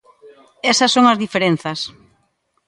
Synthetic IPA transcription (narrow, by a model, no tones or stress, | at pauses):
ɛsɐsːõŋɐzðifeɾen̟θɐs